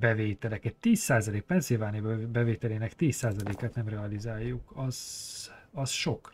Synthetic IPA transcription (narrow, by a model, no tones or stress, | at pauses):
bɛveːt̪ɛlɛkɛt̪ːiːsaːzɒleːk̚pɛnsilvaːnijbɛveːt̪ɛleːnɛkt̪iːsːaːzɒleːkat̪nɛmrɛɒlizaːjːukɒz̥ | ɒsʃo̞k